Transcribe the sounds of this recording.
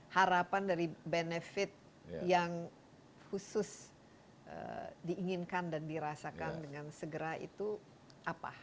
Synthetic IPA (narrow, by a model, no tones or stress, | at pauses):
haɾapandaɾibenefɪt̪̚ | jaŋ | husʊs | ʔə̰diːŋɪnkandandiɾasakandəŋansəɡəɾaḭt̪u | ʔapa̰